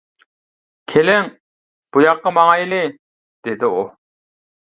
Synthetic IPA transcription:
kʲʰelɪŋ | b̥ujɑq̚ːɑmɑŋɑjlɪ | d̪̥ed̪ɪu

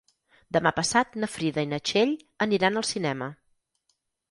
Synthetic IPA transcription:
d̪əmapəsat̪nəfɾiðəinət͡ʃeʎ | əniɾanəlˠsinɛmə

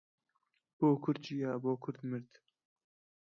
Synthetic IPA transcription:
b̥oːkʰʊɾd̪̚d͡ʒijaːboːkʰʊɾd̪mɨɾd̪

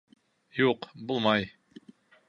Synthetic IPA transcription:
juqbulˠmɑj

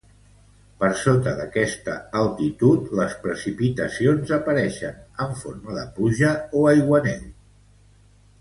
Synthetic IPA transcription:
pəɾsot̪əðəkɛst̪əəlˠt̪it̪ut̪ləspɾəsipit̪əsionzəpəɾɛʃənəɱfoɾməðə̰puʒəoajɣwənɛ̰ʎ

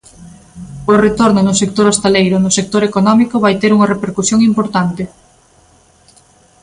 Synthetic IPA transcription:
ʊret̪oɾnʊnʊsekt̪oɾost̪elejɾʊnʊsek̚t̪oɾekonɔmikʊβajt̪eɾuŋɐrepeɾkusjoŋimpoɾt̪ant̪ɪ

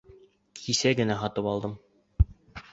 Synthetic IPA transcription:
kʰisæɡɘ̆næɦɑt̪ɤpɑlˠd̪ɤm

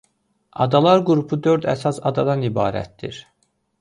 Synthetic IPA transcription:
ɑ̰d̪ɑlˠɑɾɡuɾupʰud̪øɾd̪æ̰sɑsɑd̪ɑd̪ɑnibɑ̰ːɾæ̰t̪̚d̪ḭɾ

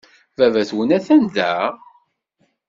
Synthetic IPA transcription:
vævæθwənæθænd̪æ

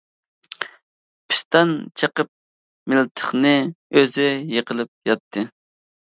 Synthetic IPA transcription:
pʰɪ̥st̪ɛnt͡ʃʰəqəp̚ | mɪlt̪ʰə̥χnɨøzɪjeqəlˠɨp̚jɑt̪ʰːɨ

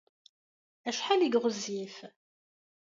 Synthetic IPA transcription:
æʃħaliɡʁəzːif

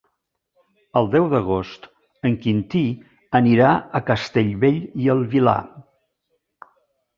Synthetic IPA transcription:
əlˠd̪ɛwðəɣ̞ost̪ | əŋkint̪i | əniɾaəkəst̪eʎβeʎiəlˠβila̰

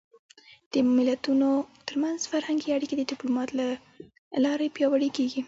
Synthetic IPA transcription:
d̪̥əmɪlat̪unot̪əɾmanzfaɾhaŋɡiaɽiked̪əd̪ɪplumɑt̪la | lɑɾepjɑwaɽekeɡi

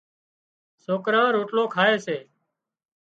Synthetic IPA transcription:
soːkɾãːɾoːʈloːkʰaːeːseː

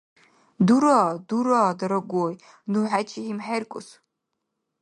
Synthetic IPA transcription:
duɾaːduɾadaɾaɡʷoj | nuħat͡ʃʰiimħarkʷʼʊs

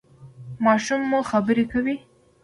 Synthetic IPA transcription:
mɑʃumːuxabəɾekawi

